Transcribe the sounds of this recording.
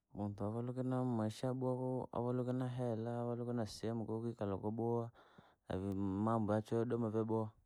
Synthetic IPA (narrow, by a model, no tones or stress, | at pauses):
muntuavalukinamaʃaɓuakoa̰valukinaɦelaːvalukinasiemukokikalokoɓoa | a̰vimambuat͡ʃodomaveboa